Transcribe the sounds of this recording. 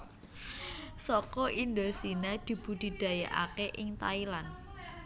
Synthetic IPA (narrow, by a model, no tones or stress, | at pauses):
sɔkɔʔind̪osinad̪̥i̤b̥ṳd̪̥i̤d̪̥ä̤ja̰ʔa̰keʔɪŋt̪ailan